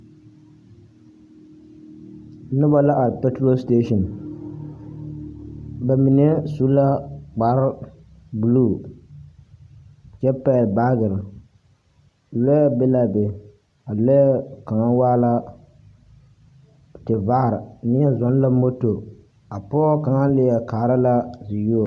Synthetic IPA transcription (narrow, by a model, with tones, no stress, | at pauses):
nʊ˦ba˦la˦ʔa˨lpɛ˦tɾo˦ste˦ʃɔ˨n | ba˨mi˨nɛ˦su˦la˦k͡pa˨ɾ | bu˨luː˦˨ | t͡ʃɛ˦pɛ˦˨lba˦ɡɪ˨ɾ | lɛ˦bɪ˦la˦bɪ˨ | a˨lɛ˦ka˨ŋa˦waː˦la˦ | tɪ˨va˦˨ɾɪ˨˦nɪ˦a˦zɔ˨n˦la˦mo˦to˨ | a˨pɔː˦ka˨ŋa˦lɪ˦a˨kaː˨ɾa˦la˦zɪ˨jo˦˨